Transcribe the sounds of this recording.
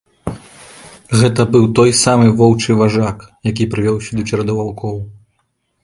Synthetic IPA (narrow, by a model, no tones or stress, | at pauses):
ɣɛt̪ɐbɨwt̪ɔjsamɨvɔwt͡ʂɨvaʐakjakʲipɾɨvʲɔwsʲɐd̪ɐt͡ʃɛɾɐd̪ɐvawkʰɔw